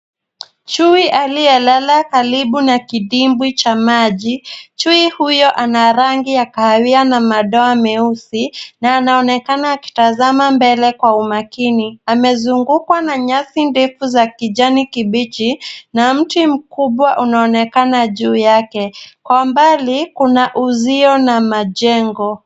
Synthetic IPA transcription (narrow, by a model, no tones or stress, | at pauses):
t͡ʃuiʔaliɛlalakaliɓunakiɗimbwit͡ʃamaʄit͡ʃuihujɔʔanaɾaŋɡijakaawianamaɗɔamɛusinaːnaɔnɛkanaːki̥tazamambɛlɛkwaumakiniamɛzuŋɡukwanaɲasindɛfuzakiʄanikiɓit͡ʃinam̩tim̩kuɓwaʔunaɔnɛkanaʄuːjakɛkwambalikunaʔuziɔnamaʄɛŋɡɔ